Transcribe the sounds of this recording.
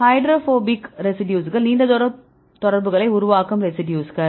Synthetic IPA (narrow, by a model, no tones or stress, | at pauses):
hɐɪɖɾoːfoːbɪkɾɛsɪʈjuːsɣɐɭniːɳɖɐðɔːɾɐ | t̪ɔɽɐɾbɯɣɐɭɐɪʊɾʊʋaːkɯmɾɛsɪɖjuːsɣɐɭ